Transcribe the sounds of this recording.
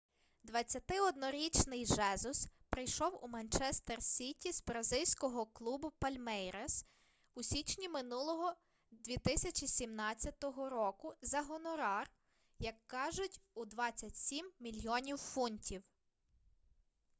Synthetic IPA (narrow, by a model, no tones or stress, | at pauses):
d̪ʋɐt͡sʲːɐt̪ɪɔd̪nɔɾʲit͡ʃnɪjʒɛzʊspɾɪjʃɔwumɐnt͡ʃɛst̪ersʲitʲizbɾɐzɪlʲsʲkɔɦɔklˠubʊpɐlʲmɛjɾes | usʲit͡ʃnʲimɪnulˠɔɦɔ | d̪ʲʋʲit̪ɪsʲɐt͡ʃʲisʲimnɑt͡sʲːɐt̪ɔɦɔɾɔkʊzɐɦɔnɔɾɑr | jɐkːɑʒʊtʲud̪ʋɑt͡sʲːɐtʲsʲimːʲilʲjɔnʲiwfunʲtʲʰiw